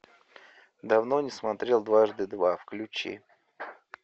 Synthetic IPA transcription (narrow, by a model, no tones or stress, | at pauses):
d̪avno̞nʲɪsmat̪ɾʲelˠd̪vaʐd̪ɨd̪vafklʲʉt͡ɕḭ